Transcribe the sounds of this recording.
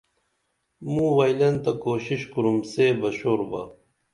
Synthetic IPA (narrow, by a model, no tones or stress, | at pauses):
mũːwɐjlɐnt̪ɐkoːɕiɕkuɾumseːbɐɕoːɾbɐ̰